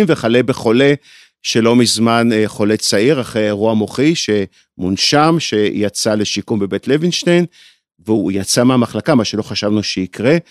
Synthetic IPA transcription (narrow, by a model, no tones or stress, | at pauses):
mveχalebe̞χo̞le̞ | ʃe̞lo̞mizmanχo̞le̞t͡saiʁaχʁejʁuamo̞χiʃe̞ | munʃamʃe̞jat͡sale̞ʃikumbe̞be̞tlevinʃtejn | veujat͡sameamaχlakamaʃelo̞χaʃavnuʃeikʁe